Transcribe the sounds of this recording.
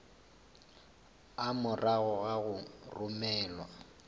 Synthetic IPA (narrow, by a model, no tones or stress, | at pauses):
amʊraɣɔɣaɣʊrʊmɛːlwa